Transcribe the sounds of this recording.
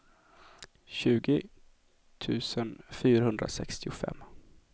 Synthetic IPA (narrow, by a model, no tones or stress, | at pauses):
ɕʉ̟ːɡɪ | t̪ʰʉ̟ːsənfyːɾahɵnd̪ɾa̰sɛkst̪ɪʊfɛ̰mː